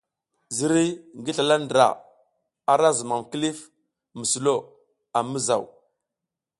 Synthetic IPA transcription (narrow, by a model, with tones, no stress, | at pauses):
zi˨ɾi˦ŋɡi˦ɬa˨la˦ndɾa̰˨ | a˦ɾa˦zə˨ma˨mki˦li˦f | mə˨su˨lo˦ | a˨mə˦za˨w